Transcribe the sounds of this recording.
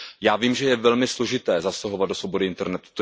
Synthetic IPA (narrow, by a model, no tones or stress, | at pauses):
jaːviːmʒɛjɛvɛlmɪslo̞ʒɪt̪ɛːzastaɦovad̪do̞svo̞bo̞dɪʔɪnt̪ɛɾnɛt̪u̥t̪o